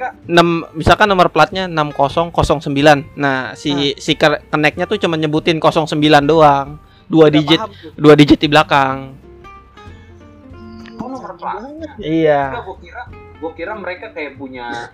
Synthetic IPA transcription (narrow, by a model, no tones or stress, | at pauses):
nammisalkanːɔmərpəlat̪̚ɲanamkosɔŋkosɔŋsəmbilanːahsisikəkənɛk̚ɲat̪ut͡ʃumanɲəbut̪ɪnkosɔŋsəmbilandoaŋ | duadid͡ʒɪt̪̚duadid͡ʒɪt̪̚ːiblakaŋ | ərlaijauakiɾa | ɡakiɾaməɾekakajapuɲa